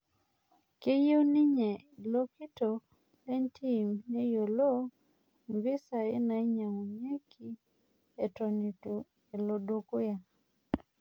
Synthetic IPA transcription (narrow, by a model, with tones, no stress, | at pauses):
ke˦je˦ni˦ɲɛ˨lo˦ki˦to˨ | lɛ˦nti˦˨mne˦jo˨lo˦ | mbɪ˦sa˨e˦na˨i˦ɲa˨ŋo˨ɲe˦kʰi˦ | e˨tɔ˨ni˨tu˨ | e˨lo˨do˦ko˦ja˨